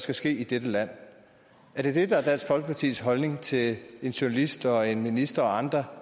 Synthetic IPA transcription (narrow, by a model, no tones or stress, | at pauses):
sɡ̥æsɡ̥e̝̰ːid̥ed̥əlæn̰ | æɐd̥e̝d̥e̝d̥ɑæɐd̥ælsfɒ̽lɡ̥ə̥pʰɑ̈t͡sʰḭːsɦɒ̽lne̝ŋt͡sʰe̝le̝nɕonælisd̥ɒ̽e̝nminisd̥ɐɒ̽ɑ̈nd̥ʁɐ